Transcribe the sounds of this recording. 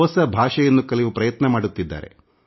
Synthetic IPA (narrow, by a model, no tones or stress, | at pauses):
ɔːsɐbʱaːʂɐjɐnːukɐliʋupɾɐjɐt̪nɐmaːɽut̪ːid̪ːa̰ːɾe̞̰